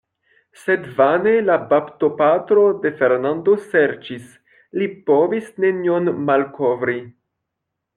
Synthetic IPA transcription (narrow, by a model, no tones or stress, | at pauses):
se̞dvane̞labapto̞patɾo̞de̞fe̞ɾnando̞se̞ɾt͡ʃis | lipo̞visne̞nionmalkʰo̞vɾi